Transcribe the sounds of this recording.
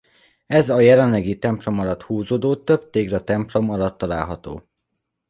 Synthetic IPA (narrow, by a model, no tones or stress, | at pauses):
ɛzɒjɛlɛnlɛɡit̪ɛmplo̞mɒlɒt̪huːzoːd̪oːt̪øb̚t̪eːɡɾɒt̪ɛmplo̞mɒlɒt̪ːɒla̰ːlɦɒt̪o̰ː